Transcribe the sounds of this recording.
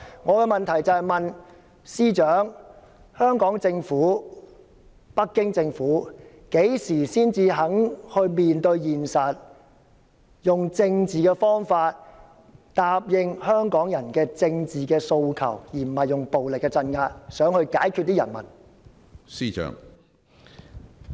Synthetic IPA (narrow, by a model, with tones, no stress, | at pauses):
ŋɔː˨˧kɛ˧mɐ˨nt̪ʰɐ˨˩jt͡sɐ˨˧hɐ˨jmɐ˨n | siː˥t͡ʃœː˨˥ŋ | hœː˥ŋkɔː˨˥ŋt͡sɪ˧ŋfuː˨˥ | pɐ˥kːɪ˥ŋt͡sɪ˧ŋfuː˨˥ | ke˨˥jsiː˨˩siː˥nt͡siː˧ɦɐ˨˥ŋhɵ˧ɥmiː˨nt̪ɵ˧ɥjiː˨˩nsɐ˨t̚ | jʊ˨˩ŋt͡sɪ˧ŋt͡siː˨˩kɛː˧fɔː˥ŋfaː˧t̚ | t̪aː˧p̚jɪ˧ŋhœː˥ŋkɔː˨˥ŋjɐ˨˩nkɛː˧t͡sɪ˧ŋt͡siː˨kɛː˧so˧wkʰɐ̰˨˩wjiː˨˩m̩˨˩hɐ˨jʊ˨ŋpo˨wlɪ˨kːɛː˧t͡sɐ˧nŋaː˧t̚sœː˨˥ŋhɵ˧ɥkaː˨˥jkʰy˧t̚t̪iː˥jɐ̰˨˩nmɐ˨˩n | siː˥t͡ʃœ̰ː˨˥ŋ